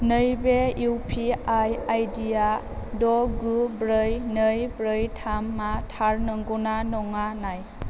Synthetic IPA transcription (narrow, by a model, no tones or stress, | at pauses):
nɯjbeuwpʰiajajdija | dɔɡubɾəjnəjbɾɯjtʰamːatʰaɾnɯŋɡɔnanɔŋanaj